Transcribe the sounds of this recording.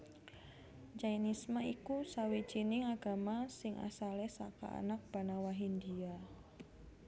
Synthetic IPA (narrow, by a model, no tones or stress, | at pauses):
d͡ʒainismaikusawit͡ʃinɪŋaɡ̥a̤masɪŋʔa̰salɛsa̰ka̰a̰nak̚b̥a̤nawaɦind̪ia